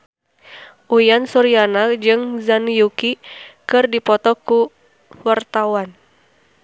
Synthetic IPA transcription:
ʔujansuɾianad͡ʒɨŋzanjukikɨrdipɔt̪ɔku | wart̪awan

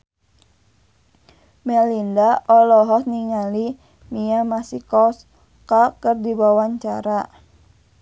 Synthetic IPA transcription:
mɛlindaɔlɔɦɔsniŋali | miamasikɔs | kakərdibawaɲt͡ʃaɾa

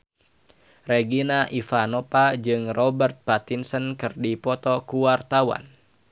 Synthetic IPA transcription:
reɡinaʔifanɔpad͡ʒɨŋrɔbərt̪̚pat̪insənkɨrdipɔt̪ɔkuwart̪awa̰n

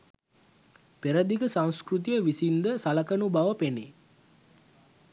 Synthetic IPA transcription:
peɾəd̪ikəsãŋ̃skrut̪̬ijəʋisind̪əsalɐkənubaʋəpeni

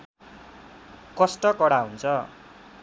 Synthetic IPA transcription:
kʌsʈʌkʌɽaɦunt͡sʰʌ

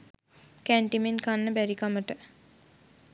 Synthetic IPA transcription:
kæɳʈimenkanːəbæɾikaməʈə

